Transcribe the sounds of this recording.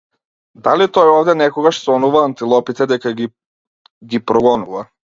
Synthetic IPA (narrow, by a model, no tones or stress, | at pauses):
d̪alit̪ɔjɔvd̪ɛnɛkɔɡaʃsɔnuvaːnt̪ilˠɔpit̪ɛd̪ɛkaɡi | ɡipɾɔɡɔnuva